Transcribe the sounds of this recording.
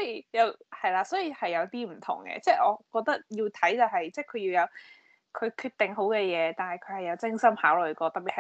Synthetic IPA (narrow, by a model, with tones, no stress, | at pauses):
sɔː˨˥jiː˨˧˩jɐ˨˧whɐ˨jlaː˧sɔː˨˥jiː˨˩hɐ˨jːɐ˨˧wt̪iː˥m̩˨˩t̪ʰʊ̰˨˩ŋkɛ̰ː˧t͡sɛː˥˩ʔɔː˨˧kɔː˧k̚t̪ɐ˥k̚jiː˧wt̪ʰɐ˨˥jt͡sɐ˨˧wɦɐ˨jt͡sɛː˥˩kʰɵ˨˧ɥji˧wjɐ˨˧w | kʰɵ˨˧kʰyː˧t̪ɪ˨˩ŋɦo˨˥wkɛː˧jɛː˨˧t̪aː˨nhɐ˨˩jkʰɵ˨˧ɥhɐ˨jɐ˨˧wt͡sɪ˥ŋsɐ˥mhaː˨˥wlɵ˨ɥkɔː˧t̪ɐ˨p̚i˨hɐ˨